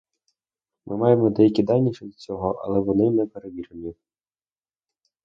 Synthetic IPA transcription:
mʔɪmɑjemɔd̪ɛjɐkʲid̪ɑlʲnʲiʃɛit͡sʲɔɦɔʔɐ̰lˠɛʋɔnɪnɛpeɾeʋʲiɾɪnʲi

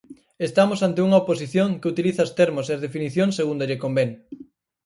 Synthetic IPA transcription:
est̪amosant̪euŋɐoposiθjoŋkeut̪iliθaost̪eɾmoseɐzð̞efiniθjoŋseɣund̪oʎekombeŋ

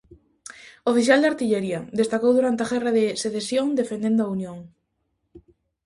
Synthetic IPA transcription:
ofiθjald̪aɾt̪iʎeɾiad̪est̪akowðuɾant̪eaɣɛraðeseθesjoŋd̪efend̪end̪oaunjõŋ

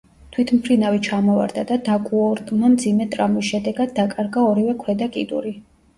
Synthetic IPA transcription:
t̪ʰwit̪ʰmpʰɾinavit͡ʃʰamɔva̰ɾd̪ad̪ad̪akʼuɔɾt̪ʼmamd̪zimɛt̪ʼɾamisʃɛd̪ɛɡad̪ːakʼaɾɡaɔɾivɛkʰwɛd̪akʼḭd̪ṵɾi

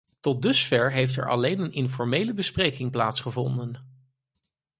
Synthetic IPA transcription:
tɔt̚dɵsfɛɹɦejftɛ̰ɹʔɑ̰lejnənɪnfɔɹmejləbəsprejkɪŋplaːtsχəvɔndən

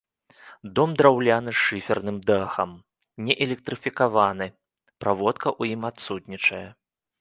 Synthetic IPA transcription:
d̪ɔmd̪ɾawlʲanɨʂɨfʲɛrnɨmd̪axɐm | nʲɛʔɛlʲɛk̚t̪ɾɨfʲikavanɨ | pɾʔavɔt̪kɐʔujimat̪sut̪ʲnʲit͡ʂɐjɛ

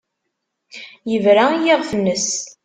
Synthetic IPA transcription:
jəvɾaijiʁfənːəs

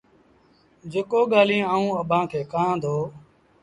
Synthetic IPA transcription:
d͡ʒekoːɠaːlĩːaːũːəɓʱãːkʰeːkãːd̪ʱoː

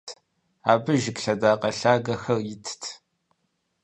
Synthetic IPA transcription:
tʰ | aːbɨʒɪkɬɐdaːqɐɬaːɡɐxɐrjɪtʰtʰ

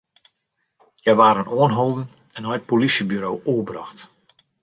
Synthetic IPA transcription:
jɛjʋaːɾənoənɦoːlˠdən | ɛnɦɔjət̚polisjəbyɾowʔuəbrɑ̰xt

